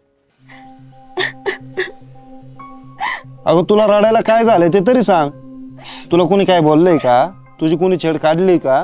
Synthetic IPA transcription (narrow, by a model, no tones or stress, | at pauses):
a̰ɡət̪ulaɾaɽajlakajd͡zʱalet̪̬et̪̬əɾiːsãŋɡ | t̪ulakuɽ̃iːkajbolːejka | t̪ud͡ʑʱiːk̬uɽ̃iːt͡ɕʰeɽkaɽlika